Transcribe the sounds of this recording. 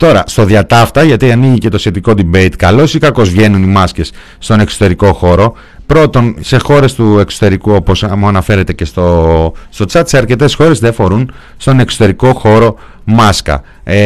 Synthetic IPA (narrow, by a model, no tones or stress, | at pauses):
t̪o̞ɾɐ̰st̪o̞ðiɐt̪ɐft̪ɐʝɐt̪iɐniʝice̞t̪o̞sçe̞t̪iko̞d̪ibe̞jt̪kɐlo̞sikɐko̞zvʝe̞nunimɐsce̞sː | t̪o̞ne̞ksot̪e̞ɾiko̞xo̞ɾo̞ | pɾo̞t̪o̞nse̞xo̞ɾe̞st̪ue̞kso̥t̪e̞ɾikuo̞po̞smuɐnɐfe̞ɾe̞t̪e̞ce̞st̪ost̪o̞t͡sɐt̪se̞ɐɾce̞t̪e̞sxo̞ɾe̞zðe̞fo̞ɾun | st̪o̞ne̞ksot̪e̞ɾiko̞xo̞ɾo̞ | mɐskɐ̰